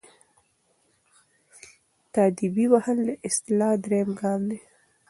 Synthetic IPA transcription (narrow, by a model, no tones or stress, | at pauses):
t̪ɑːd̪ibiwahəld̪əʔɪst̪ɪlɑːd̪ɾejmɡɑːnd̪e